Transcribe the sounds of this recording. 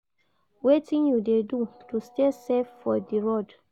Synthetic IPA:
wetĩnjudedutusteseffɔdiɹod

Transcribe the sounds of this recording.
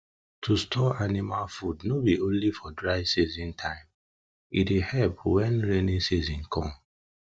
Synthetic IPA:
tʰustʰɔanimalfudnobiõnlifɔdɹaɪvsizĩntʰãɪ̃m | itehɛlpwɛ̃nɹenĩsizĩnkʰɔ̃m

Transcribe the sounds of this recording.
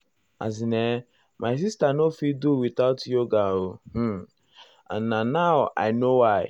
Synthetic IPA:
a̰zine | maɪs̬istanofiduwit̪aʊtjoɡaoh̩ | a̰nnanaʊʔa̰ɪnowaɪ

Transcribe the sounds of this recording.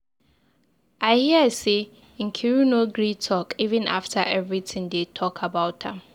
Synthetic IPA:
aɪhiəasẽ | ŋ̩kʰiɹunoɡɹitʰɔkʰivɨ̃na̰ftʰaʔɛvɹitʰɪ̃ŋdetʰɔkʰabaʊt̚dã̰m

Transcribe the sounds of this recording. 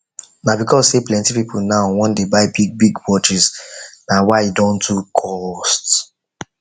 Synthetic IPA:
nabikɔzseplɛ̃ntipipulnaʊwɔ̃ndebaɪbiɡ̚biɡwɔt͡ʃiznawaɪidɔ̃ntukʰɔst

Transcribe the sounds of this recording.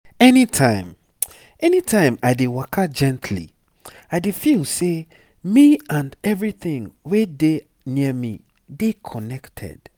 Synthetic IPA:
ɛnitʰãɪ̃m | ɛnitʰãɪ̃maɪdewakʰad͡ʒɛ̃ntʰlḭ | aɪdefilˠse | miãndɛvɹiθɪ̃ŋwede | niəmḭ | dekʰɔnɛktʰɛ̰d̥

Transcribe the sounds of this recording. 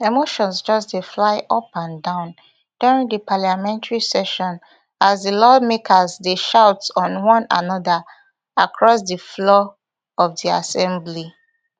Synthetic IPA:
emoʃɔ̃nsd͡ʒɔsdeflaɪʔɔpãndãʊ̃n | d̥uɹĩŋdəpaljamɛ̃ntaɹisɛʃɔ̃n | azðəlɔmekʰəzdeʃaʊtsɔ̃nwɔ̃na̰nɔðə | akʰɹɔsdəflɔ | ɔvðiasɛ̃mbli

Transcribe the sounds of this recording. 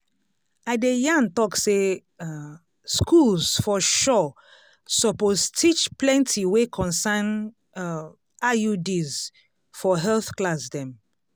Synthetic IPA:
aɪdejãntɔkse | skʰulzfɔʃɔ | sɔpoztʰit͡ʃplɛ̃ntʰiwekʰɔ̃nsan | ajudiz | fɔɦɛlθklasdɛ̃m

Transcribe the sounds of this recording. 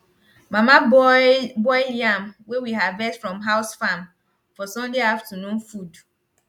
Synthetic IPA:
mama | bɔjliãmwewiɦavɛtfɹɔ̃mɦaʊsfam | fɔsɔ̃ndiaaftənũnfud

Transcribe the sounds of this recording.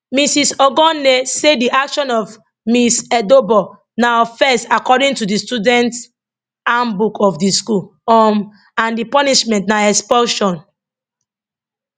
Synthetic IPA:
misisɔɡɔ̃nːesediʔakʃɔ̃nɔf | misɛdobɔ | nafɛstakɔdĩŋtudistudɛ̃nt | ambukʰɔfdiskulɔm | ãndipɔniʃmɛ̃ntnaɛkspɔʃɔ̃n

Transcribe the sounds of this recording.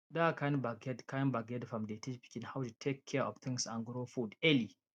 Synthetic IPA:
dakʰãnbaɡɛdkʰanbaɡɛdfɹɔ̃mdetʰipi̥kĩnhawtutʰekʰːɛɹʔɔ̰vt̪ʰɪ̃ŋsã̰nɡɾofudɛli

